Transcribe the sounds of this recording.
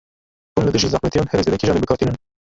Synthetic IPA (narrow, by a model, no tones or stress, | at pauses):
unlɨd̪ɨʒizæxmɛt̪ijɑnhɛɾɛzeːd̪ɛkʲiʒɑːnebɨkʰɑɾt̪inɨn